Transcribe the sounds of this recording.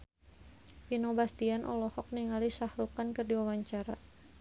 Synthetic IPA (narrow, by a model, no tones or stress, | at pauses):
pinobast̪ianʔɔ̰lɔhɔk̚niŋalisahɾukankərdiwawaɲt͡ʃaɾa